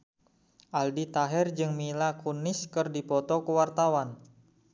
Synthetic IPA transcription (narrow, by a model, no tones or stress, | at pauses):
ʔaldit̪aɦɛrd͡ʒɨŋmilakunɪskɨrdipɔt̪ɔkəwart̪awan